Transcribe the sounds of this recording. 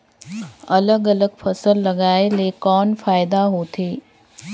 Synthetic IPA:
ɐləɡɐləɡfʰɐsəlːɐɡaːɪlekɔːnfaːɪd̪aɦot̪ʰeː

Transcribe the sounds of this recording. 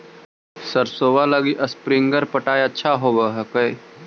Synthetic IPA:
səɾsoːʋaləɡiʔɐspɾiŋɡəɾpəʈaːjətːʃʰaɦobəɦəkəj

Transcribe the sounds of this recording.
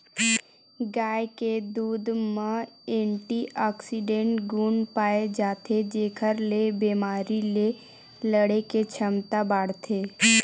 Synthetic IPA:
ɡaːeked̪uːd̪mãẽːɳʈiɔːksiɖẽːɳʈɡuːnpaːed͡ʒaːt̪ʰed͡ʒeːkʰəɾlebeːmaːɾile | ləɽeket͡ʃʰəmt̪abaːɽt̪ʰeː

